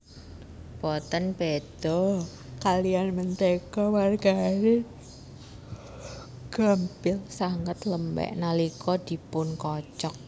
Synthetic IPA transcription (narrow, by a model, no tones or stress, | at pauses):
pɔt̪ənbed̪̥ɔ | kalianmənt̪ekɔwarɡ̥aɾe | ɡ̥ampɪlsaŋət̪ləmbɛ̰ʔnalikʰɔd̪̥i̤pʊnkɔt͡ʃɔk̚